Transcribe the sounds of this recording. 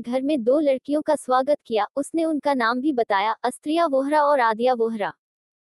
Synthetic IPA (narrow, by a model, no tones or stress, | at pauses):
ɡʱɐɾmẽd̪oːlɐɽkijõkaswaːɡət̪kijaʊsneʊnkanaːmbʱibɐt̪aːjaʔɐst̪ɾijaʋoːɦɾaɔːɾaːd̪ijaʋoːɦɾaː